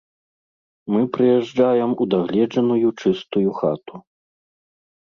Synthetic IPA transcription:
mɨpɾɨjɛʐd͡ʐajɛmud̪aɣlʲɛd͡ʐɐnujut͡ʂɨst̪ujuxa̰t̪u

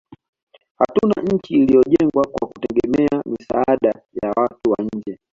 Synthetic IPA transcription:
hatuna̰ɲ̩t͡ʃiːlijɔʄɛŋɡwakwakutɛɡɛmɛamisaaɗajawatuwa̰ɲ̩d͡ʒɛ

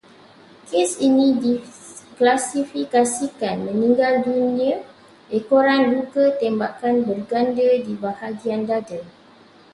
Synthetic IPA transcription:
kesinĩdi | klasifikasikanmə̃nĩŋɡalduniə | ʔekoɾanlukət̪ɛmbakanbərɡandədibahaɡiandadə

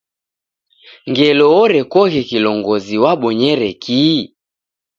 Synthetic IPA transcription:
ŋɡɛlɔɔɾɛkɔɣɛkilɔŋɡɔziwaɓɔɲɛɾɛkʰi

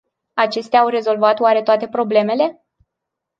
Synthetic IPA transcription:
at͡ʃe̞st̪eaːwre̞zo̞lvat̪owaɾe̞t̪oat̪e̞pɾo̞ble̞me̞le̞

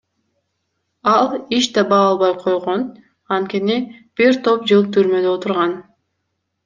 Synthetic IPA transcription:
ɑlˠiʃd̪ɑbɑːɑlˠβɑjqʰo̞jʁo̞n | ɑnt̪̚kʲenib̥iɾt̪ʰo̞p̚d͡ʒɯlˠt̪ʰyɾmø̞d̪øot̪uɾʁɑn

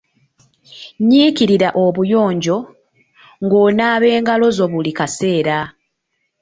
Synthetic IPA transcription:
ɲiːciɾiɾaʔoβujo̞ːɲɟo̞ | ŋɡo̞ːnaːβe̞ːŋɡalo̞zo̞βulikase̞ːɾa

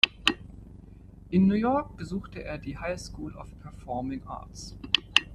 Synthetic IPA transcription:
ʔɪnːuːjɔɐk̚b̥əzuːxtəʔḛːɐdiːhaɪskuːlɔ̰fpʰɛɐfɔɐmɪŋʔa̰ːɐts

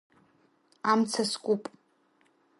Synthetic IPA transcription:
amt͡sʰaskʷʼupʼ

